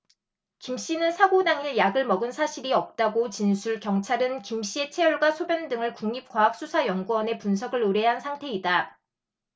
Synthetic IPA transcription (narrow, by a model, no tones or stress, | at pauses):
kimɕ͈inɯnsʰaɡodaŋiɭjaɡɯɭmʌɡɯnsʰaɕʰiɾiʌp̚t͈aɡot͡ɕinsʰuɭkjʌŋt͡ɕʰaɾɯnkimɕ͈ie̞t͡ɕʰe̞juɭɡwasʰobjʌndɯŋɯɭkuŋɲip̚k͈waɦak̚s͈usʰajʌŋɡuʌne̞punsʰʌɡɯɾɯɾeɦansʰaŋtʰe̞ida